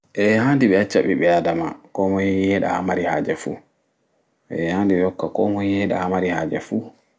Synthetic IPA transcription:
ʔɛhaːndiɓɛat͡ʃːaɓḭɓɛadamakɔmɔhihɛɗa̰hamaɾiha̰ːd͡ʒɛfṵ | ʔɛhandiɓɛɔkːakɔmɔhihɛɗa̰hamaɾihaːd͡ʒɛfu

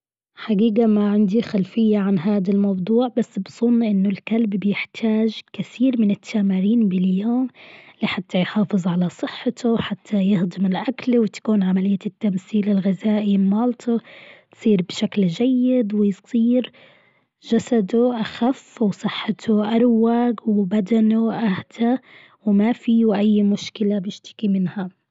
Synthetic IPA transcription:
ħaɡiːɡamaʕɪnd̪ixalfɪjːaʕanɦaːd̪almɑwd̪ˤuːʕbasːbzˤʊnːʔɪnːʊlkalbbjɪħt̪ʰaːʒkɪθiːɾmɪnɪt̪ʰːaːmaɾiːnbɪljoːmlɪħat̪ːajħɑːfɨzˤʕalasˤɨħːɪt̪ʰʊħat̪ʰːajɪhd̪ˤɨmɪlʔaklwɪt̪ḁkuːnʕamalɪjːat̪ːamθiːlɪlɣazaːʔimɑːlt̪ʰʊt̪sˤiːɾbʃaklʒajːɪd̪wɪjsˤiːɾ | ʒasad̪ʊʔaxafːwsˤɨħːɪt̪ʰʊʔaɾˤwaːɡwɪbad̪anoʔahd̪a | wmafiːwʔajːmʊʃkɪlabjɪʃt̪ɪ̥kimɪnha

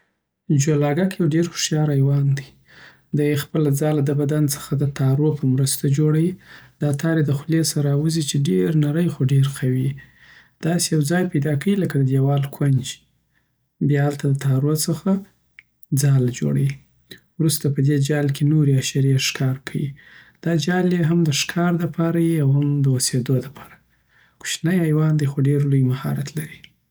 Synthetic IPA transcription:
d͡ʒolɑɡakjawɖeɾxʊ̥ʃjɑɾajwɑnd̪i | d̪ajxpəlad͡zɑlad̪əbad̪ant͡sə̥xad̪ət̪ɑɾopʰəmɾəst̪ad͡ʒoɽawid̪̥ɑt̪ʰɑɾed̪əxlesaɾawuzit͡ʃeɖeɾnaɾəjxoɖeɾxʰawi | d̪̥ɑsejawd͡zɑjpajd̪ɑkawiləkad̪əd̪jawɑlkʰwand͡ʒi̥ | bjɑalt̪ad̪ət̪ʰɑɾosəxa | d͡zɑld͡ʒo̰ɽawi | wɾust̪apəd̪ed͡ʒɑlkʰenoɾeaʃaɾeʂkʰɑɾkʰawḭd̪̥ɑd͡ʒɑleɦamd̪əʃkʰɑɾd̪əpʰɑɾajiawhamd̪əosed̪od̪əpʰɑ̥ɾa | ku̥t͡ʃnajajwɑnd̪ajxoɖeɾlojmahɑ̰ɾat̪laɾi

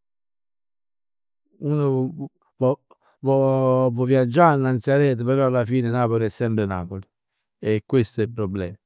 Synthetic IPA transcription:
uno | v | vovovjad͡ʒːanːant̪sjaɾɛːt̪̬əpeɾɔalːafiːnɪnaːpoliɛsːɛmpɾena̰ːpoli | ekːwest̪oɛlpɾoblɛːm

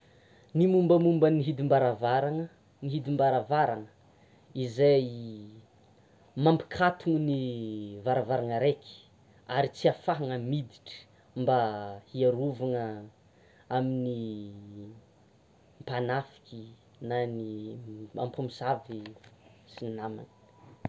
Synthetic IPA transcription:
nimumbəmumbəniɦid̪imbaɾavaɾaŋə | niɦid̪imbaɾavaɾaŋə̥ | izaj | mampi̥kʰat̪uŋnivaɾavaɾaŋəɾeki̥ | aɾit͡siafaɦaŋəmid̪iʈ͡ʂə̥ | mbahiaɾuvaŋə | amini | mpanafi̥kʲi | nanima̰mpumizavisinnama̰ni̥

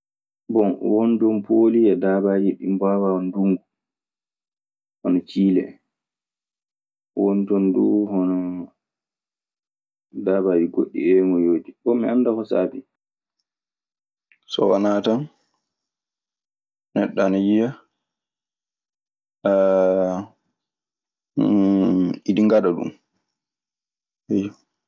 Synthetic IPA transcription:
bɔnwondɔnpʰoliɛdabad͡ʒiɗimbawanduŋɡu | hɔnɔt͡ʃiːlɛ̰ | wɔntɔnduhɔnɔ | daːbad͡ʒiɡoɗːḭɛmɔjoːdibɔmiandakɔsa̰ːbi | sɔ̰wanaːtan | nɛɗːanajija | idiŋɡadaɗṵm | ɛj

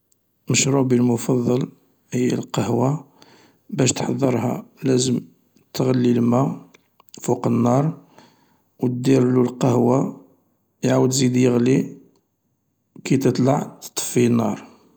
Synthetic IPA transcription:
məʃɾubilmʊfɑðˤːɑl | həjːə̰lqɑhwa | bæʃt̪ħɑðˤːəɾˤɦæ̰læzəm | t̪ɣəlːilmæ | fuqənːɑɾˤ | wt̪d̪iɾlulqɑhwa | jʕawəd̪zid̪jəɣli | kit̪ət̪ˤlɑʕt̪t̪ˤːə̥finːɑ̰ɾˤ

